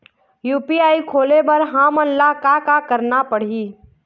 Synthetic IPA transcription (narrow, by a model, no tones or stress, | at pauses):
juːpiaːikʰoːlebəɾɦãmənlakakakəɾnapəɽ̤iː